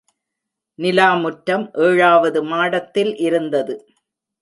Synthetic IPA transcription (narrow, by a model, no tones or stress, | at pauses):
nɪlaːmʊʈːɐmʔeːɻaːʋɐðɯmaːɽɐt̪ːɪlʔɪɾɯnd̪ɐðɯ